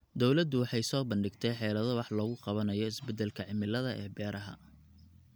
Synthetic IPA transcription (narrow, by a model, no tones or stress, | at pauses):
d̪ɔwlɐd̪ʊwɑħɑjsɔːbɐnɖɪɡt̪ʰɛjħɛːlɐðɔwɑħlɔːɣʊqɑβɐnɐjɔɪsbɛd̪ːɛlkʰɐʕɪmɪlɐðɐʔɛːbɛːɾɐɦɐ̰